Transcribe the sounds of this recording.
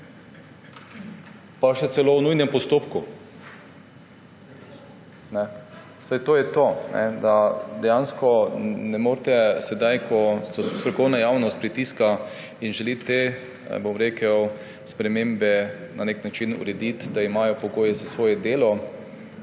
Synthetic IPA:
paʃɛsɛlownujnɛmpɔst̪oːpku | nɛ | sajt̪oːjɛt̪onɛ̰d̪ad̪ɛjanskɔnɛmoːɾt̪ɛsɛd̪ajkʰɔɔst̪ɾɔkɔwnajaːwnɔst̪pɾit̪iska | inʒɛlit̪e | bomɾeːkəw | spɾɛmembɛ | naneknat͡ʃinṵɾɛd̪it̪d̪aimaːjɔpɔɡoːjɛzasʋoːjɛd̪eːlɔ

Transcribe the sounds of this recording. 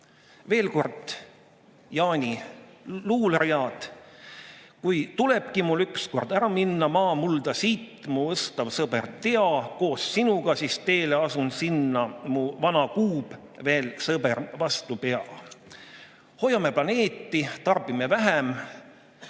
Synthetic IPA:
ve̞ːlko̞rd̪̥ | jɑːnʲi | luːlerjɑːd̪̥ | kujt̪ule̞b̥kimulyksko̞rd̪æɾɑminːɑmɑːmuld̪ɑsiːt̪ːmuɤst̪ɑvsɤb̥ert̪eɑko̞ːsːinuɡ̥ɑsist̪e̞ːle̞ɑsunsinːɑmuvɑnɑkuːb̥ | ve̞ːlsɤbervɑst̪upe̞ɑ | ho̞jɑme̞plɑne̞ːt̪ːˑit̪ɑrb̥ime̞væɦem

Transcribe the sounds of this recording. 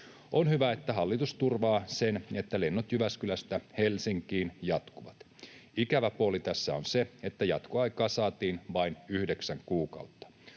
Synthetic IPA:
onhyʋæet̪ːæɦɑlːit̪ust̪urʋɑːsene̞t̪ːælenːot̪jyʋæskylæst̪æhelsiŋkiːnjɑt̪kuʋɑt̪ | ikæʋæpuolit̪æsːæonseet̪ːæjɑt̪koɑikɑːsɑːt̪iːnʋɑinyhdeksæŋkuːkɑ̰ut̪ːɑ̥

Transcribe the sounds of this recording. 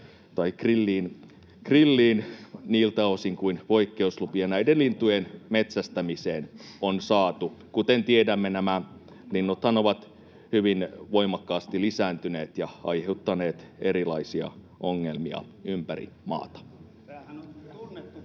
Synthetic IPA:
t̪ɑikrilːiːn | krilːiːnniːlt̪ɑosiŋkuinʋo̞ikːeuslupiɑnæidellint̪ujenmet̪sæst̪æmiseːnonsɑːt̪ukut̪ent̪iedæmːenæmæ | linːot̪hɑnoʋɑt̪ | hyʋinʋo̞imɑkːɑːst̪ilisæːnt̪yneːt̪jɑɑ̰jheut̪ːɑneːt̪eɾilɑisiɑ̰ | oŋːelmiɑ̰ | ympæɾḭmɑ̰ːt̪ɑ̥

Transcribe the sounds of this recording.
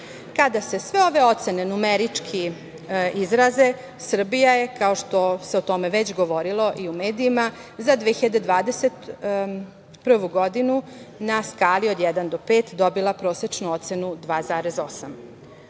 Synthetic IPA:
kad̪ase̞sʋeo̞ʋe̞o̞t̪se̞ne̞numeɾit͡ʂkʰi | izɾaze̞ | sr̩bijaje̞kao̞ʃt̪o̞se̞ot̪o̞me̞ʋet͡ɕɡo̞ʋo̞ɾilˠo̞ʔiumeːd̪iːmazad̪ʋexiʎad̪ed̪ʋaːd̪e̞se̞t̪ | pr̩ʋuɡo̞d̪inunaskaːlio̞d̪jɛd̪and̪opeːt̪d̪o̞bilˠapɾo̞ːse̞t͡ʃnuo̞t̪se̞nud̪ʋaːzaːɾe̞zo̞sam

